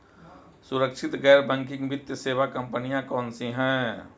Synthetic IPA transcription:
sʊɾəkʃʰɪt̪ɡɛːɾbɛ̃ːŋkɪ̃ŋɡʋɪt̪jəseːʋakə̃mpənijãkɔːnsiɦɛ̃ː

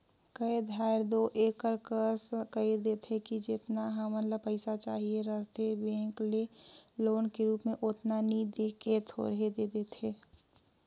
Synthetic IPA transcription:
kəed̪ʱaːɪɾd̪oːʔeːkəɾkəɾskəɪɾd̪eːt̪ʰekid͡ʒɪt̪naɦəmənləb̚pəɪsat͡ʃa̰ːɦieɾəɦt̪ʰebẽːŋkleloːnkeɾuːpmẽʔot̪nanid̪eket̪ʰo̰ɾəɦed̪eːd̪eːt̪ʰeː

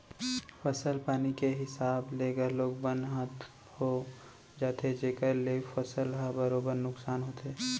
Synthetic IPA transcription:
fəsəlpaːnikeɦɪsaːbleːɡəɾloːɡbənd̪ɦə̃t̪ | ho | d͡ʒaːt̪ʰed͡ʒeːkəɾleːfəsəlɦabəɾoːbəɾnʊksaːnɦoːt̪eː

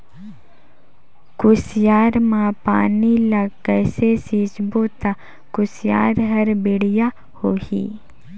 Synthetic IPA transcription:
kʊsjaːɾmãpaːnilɐɡkɛːsesiːt͡ʃbot̪a | kʊsja̰ːɾɦɐɾbɪɽɪja | hoːhḭː

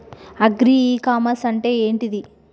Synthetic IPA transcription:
ɐɡɾiiːkaːmɐsɐɳʈe̞ːeːɳʈid̪i

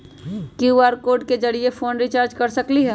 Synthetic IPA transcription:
kjuaːɾkoːɾɖked͡ʒɐɽiefʰoːnɾit͡ʃaːɾd͡ʒkɐɾsɐkliɦɛː

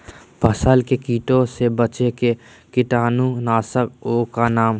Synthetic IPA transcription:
bʱəsəlkekiːʈõsebət͡ʃeke | kɪʈaːnunaːsəkoːkanaːm

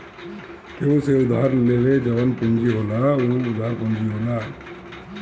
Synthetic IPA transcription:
keũseud̪aaɾleled͡ʒɛbanpund͡ʒiɦolauud̪ʱaɾpund͡ʒiɦola

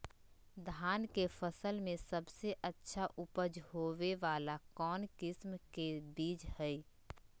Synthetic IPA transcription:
d̪ʱaːnkefʰəsəlmẽsəbseʔətːʃʰaʔʊpəd͡ʒhoːʋeʋaːlakɔːnkɪsmkebiːd͡ʒhɛi

